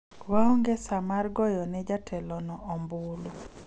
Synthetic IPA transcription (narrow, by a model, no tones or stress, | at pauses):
waɔŋɡɛsamarɡɔjɔnɛd͡ʒatʰɛlɔnɔʔɔmbulu